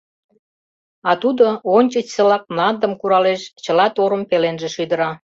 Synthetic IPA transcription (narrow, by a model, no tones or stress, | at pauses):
ɑt̪ud̪oonʲt͡ɕət͡ɕsə̆lɑk̚nɑnd̪əmkuɾɑleʃt͡ɕəlɑt̪oɾəmpelenʒĕʃyd̪əɾɑ